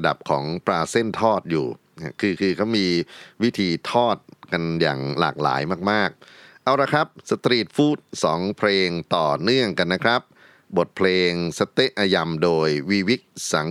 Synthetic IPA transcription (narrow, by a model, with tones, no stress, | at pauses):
da̰˨˩p̚kʰɔː˩˦ŋpɾaː˧se˥˩nt̪ʰɔː˥˩t̪̚jṵː˨˩ | kʰɯː˧kʰɯː˧kʰa˦˥˩wmiː˧wi˦˥t̪ʰiː˧t̪ʰɔː˥˩t̪̚ka˧nja̰ː˨˩ŋla̰ː˨˩k̚la̰ː˩˦jmaː˥˩k̚maː˥˩k̚ | ʔa˧wɾa˧kʰɾa˦˥p̚sa˧t̪ɾiː˨˩t̪̚fuː˥˩t̪̚sɔː˩˦ŋpʰleː˧ŋt̪ɔː˨˩nɯ˥˩əŋka˧nːa˦˥kʰɾa˦˥p̚ | bo˨˩t̪̚pʰleː˧ŋsa˧t̪e˦˥˩ʔaː˧ja˧mdoː˧jwi˦˥wi˦˥k̚sa˩˦ŋ